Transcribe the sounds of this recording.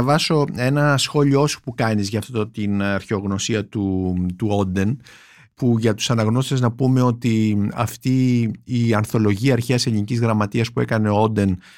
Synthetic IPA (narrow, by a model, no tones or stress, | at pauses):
ɐvɐso̞e̞nɐsxo̞lioosu̥pukɐnizʝɐːft̪ot̪inɐɾçeo̞ɣno̞siɐt̪ut̪uo̞d̪e̞n | puʝɐt̪u̥sɐnɐɣno̞st̪seznɐpume̞o̞t̪iɐ̰ft̪iː | ɐnθo̞lo̞ʝiɐːɾçeɐse̞linicizɣɾɐmɐt̪iɐspue̞̰kɐne̞oo̞d̪e̞n